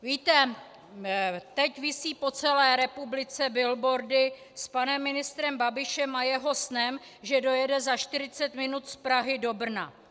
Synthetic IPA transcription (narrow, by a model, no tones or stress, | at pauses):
viːt̪ɛ | t̪ɛcvɪsiːpo̞t͡sɛlɛːɾɛpublɪt͡sɛbɪlbo̞ɾdɪ | spanɛmːɪnɪst̪ɾɛmbabɪʃɛmajɛɦo̞snɛm | ʒɛdo̞jɛdɛzaʃt̪ɪɾɪt͡sɛt̪mɪnut̪spɾaɦɪdo̞br̩na̰